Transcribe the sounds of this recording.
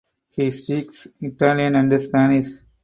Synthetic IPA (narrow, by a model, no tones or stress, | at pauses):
hiːspiːksɪʈaːliə̃nɐ̃ɳɖəspæːnɪʃ